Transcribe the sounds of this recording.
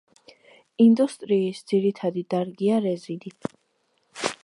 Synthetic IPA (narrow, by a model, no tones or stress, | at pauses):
ind̪ust̪ʼɾiːsd̪ziɾit̪ʰad̪id̪aɾɡiaɾɛzid̪i